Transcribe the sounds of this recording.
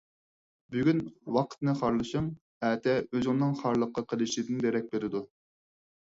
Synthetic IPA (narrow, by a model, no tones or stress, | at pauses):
byɡʲynwɑqʰt̪nɨχɑɾlˠɨʃum | æːt̪ʰɛøzɪŋnɨŋχɑɾlˠəqːɑqʰəlˠɨʃlɪd̪ɨnd̪eɾɛk̚ʲbeɾɪd̪u